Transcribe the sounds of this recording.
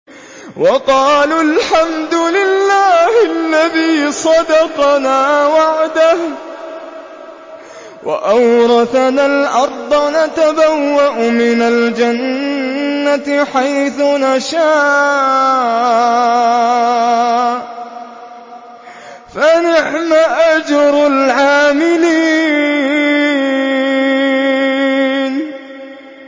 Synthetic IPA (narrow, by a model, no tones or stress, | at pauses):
wɑqɑːlalħamd̪ʊlɪlːaːhalːaðiːsˤɑd̪ɑqnaːwaʕd̪ah | wʔa̰ʔawɾˤɑθanalʔɑɾˤd̪ˤɑnat̪abawːaʔʊmɪnald͡ʒanː | atħajθʊnaʃaː | fanɪʕmaʔad͡ʒɑɾalʕaːmɪliː | n